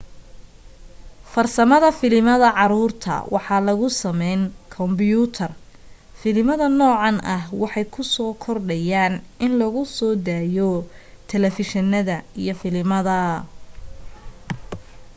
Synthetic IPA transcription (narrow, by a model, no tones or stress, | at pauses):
fɐrsɐmɐðɐfɪlmɐðɐʕɑɾuːrt̪ʰɐ̰wɑħɑːlɐɣʊsɐmɛjnkʰɔmbɪjuːt̪ʰɐr | fɪlɪmɐðɐnɔːʕɑnʔɐɦwɑħɑjkʰʊsɔːkʰɔrɖɐjaːnʔɪnlɐɣʊsɔːd̪aːjɔ | t̪ʰɛlɛfɪʃɐnɐðɐijɔfɪlɪmɐðɐ